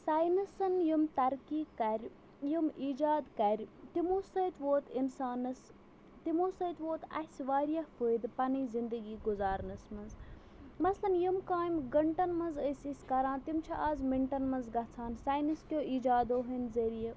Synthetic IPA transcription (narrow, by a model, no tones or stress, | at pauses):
saːjnɐsɐnjumt̪ɐɾkiːkɐɾʲ | jumiːd͡ʒaːd̪kɐɾʲt̪imoːsət̪ʋoːt̪insaːnɐs | t̪imoːsəːt̪ʋoːt̪ɐ̰sʲʋaːɾjɐhfəːjd̪pɐniːzind̪əɡiːɡʊzaːɾnɐsmɐnz | mɐslɐnjimkaːjmɡɐɳʈɐnmɐnzəsʲisʲkɐɾaːnt̪imt͡ʃʰɐʔaːzmiɳʈɐnmɐnzɡɐt͡sʰaːnsaːjnɐskʲjoːʔiːd͡ʒaːd̪oːɦənzɐɾijɐ